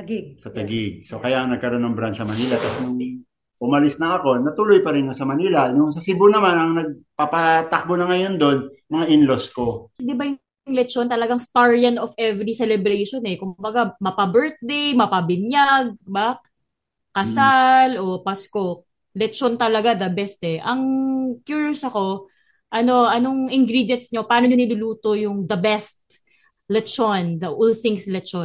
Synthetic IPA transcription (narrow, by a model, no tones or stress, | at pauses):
ɡɡ̚sɐt̪ɐɡɪɡ̚sokɐjaʔɐŋnɐɡ̚kɐɾonoŋbɾansɐmɐniːlɐt̪asnʊŋ | ʔʊmɐlɪsnɐʔɐko̞nɐt̪ʊlojpɐɾɪnkɐsɐmɐniːlɐnʊŋsɐsibʊnɐmanɐŋnɐɡ̚papɐt̪ak̚bonɐŋɐjo̞nd̪o̞nmɐŋaʔɪnlosko̞d̪ɪbɐjʊ | ŋlɛt̪̚t͡ʃont̪ɐlɐɡaŋst̪aɹjɐnofʔɛvɾisɛlɛbɾejʃonɛkʊmbɐɡamɐpɐbɛɹt̪̚d̪ejmɐpɐbɪɲjaɡ̚bak | kɐsalʔo̞pɐskok̚ | lɛtt͡ʃont̪ɐlɐɡad̪ɐbɛst̪ɛʔɐŋkjuɹjosɐko̞ | ʔɐno̞ʔɐno̞ŋʔɪŋɡɾid̪jɐnsɲopɐaːnoɲonɪlʊluːt̪o̞jʊŋd̪ɐbɛst̪̚ | lɛtt͡ʃond̪ɐʔolsɪŋslɛt̪t͡ʃon